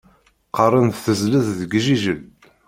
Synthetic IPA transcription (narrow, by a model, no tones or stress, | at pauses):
qɑrˤənθθəzləððəɡʒiʒəl